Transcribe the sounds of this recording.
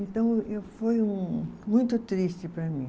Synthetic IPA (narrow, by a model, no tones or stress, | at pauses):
ẽnt̪ɐ̃w̃efojũmũj̃t̪ʊt̪ɾiʃt͡ʃɪpɾɐmĩ